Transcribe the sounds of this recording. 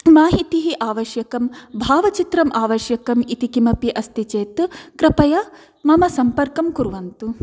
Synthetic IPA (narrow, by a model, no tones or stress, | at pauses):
maːɦit̪iɦiʔaːʋɐʃjɐkɐmbʱaːʋɐt͡ʃit̪ɾɐmʔaːʋɐʃjɐkɐmit̪ikimɐpiʔɐst̪it͡ʃeːt̪kɾɐpɐjɐ | mɐmɐsɐmpɐɾkɐmkuɾʋɐnt̪u